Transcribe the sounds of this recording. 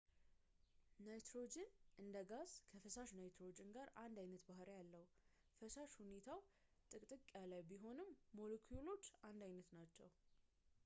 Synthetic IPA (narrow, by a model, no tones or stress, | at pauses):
najt̪ɾo̞d͡ʒɪnʔɨnd̪əɡazkʰəfəsaʃnajt̪ɾo̞d͡ʒɪnɡaɾand̪ajnət̪bahɾejalːəhu | fəsaʃhune̞t̪ʰawt̪ʼɨkʼt̪ʼɨkʼːjalajbiɦo̞nɨmːo̞lokʰujulo̞t͡ʃːand̪ajnət̪nat͡ʃːɛw